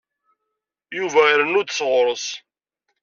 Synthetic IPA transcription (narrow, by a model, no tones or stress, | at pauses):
juvæɾənːʊd̪sʁɾˤəs